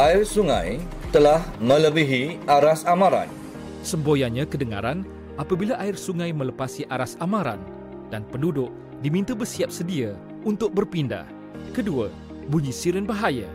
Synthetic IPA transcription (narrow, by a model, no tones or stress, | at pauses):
ʔaɪrsuŋã̰j | t̪əlahmə̃ləbiɦiaɾasamãɾa̰n | səmbojaɲãkədəŋa̰ɾan | ʔapabilaʔaɪrsuŋãjmə̃ləpasiʔaɾasamãɾa̰n | d̥anpəndudʊʔ | dimĩnt̪abərsiap̚sədia | unt̪ʊk̚bərpinda̰h | kədua | buɲisiɾənbaɦaja